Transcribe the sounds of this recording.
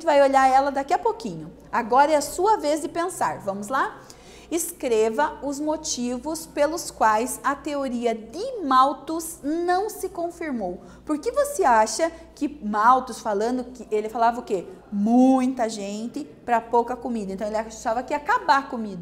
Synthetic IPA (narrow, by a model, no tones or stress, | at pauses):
t̪ɪvajoʎaɾɛlɐd̪akiɐpokĩɲʊ | aɡɔɾɐɛɐsuɐvezd̪ɪpẽsaɾvɐ̃mʊzla | ɪskɾevɐʊzmot͡ʃivʊspelʊskwajzɐt̪eoɾiɐd̪ɪmawt̪ʊznɐ̃w̃sɪkõfiɾmow | poɾkɪvoseaʃɐkɪmawt̪ʊsfalɐ̃nd̪ʊkɪelɪfalavɐʊkemũj̃t̪ɐʒẽnt̪ɪ | pɾɐpowkɐkomid̪ɐẽnɐ̃elɪat̪avɐkɪakabakomid̪ɐ